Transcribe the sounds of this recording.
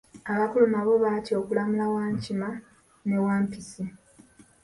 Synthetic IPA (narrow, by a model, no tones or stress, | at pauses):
aβakulumaβo̞βacio̞kulamulawaːɲcima | ne̞waːmpisi